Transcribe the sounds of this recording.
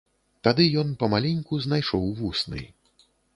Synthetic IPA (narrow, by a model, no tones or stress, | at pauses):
t̪ad̪ɨjɔnpɐmalʲinʲkuznajʂɔwvusnɨ̰j